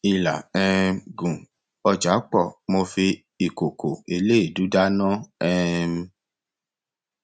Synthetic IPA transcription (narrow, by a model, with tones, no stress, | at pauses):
i˧la̰˨ɛ˦˧ɡũ˨ | ɔ˧d͡ʒa˨˦k͡pɔ˦˨mo˧fi˧ | i˨ko˨ko˨e˧le˦i˦˨du˨˦da˦nɔ̃˦ɛ̃˦˧˦